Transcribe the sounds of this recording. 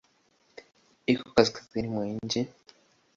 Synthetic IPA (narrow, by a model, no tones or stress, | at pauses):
ikokazikḁziɾimweːɲɟe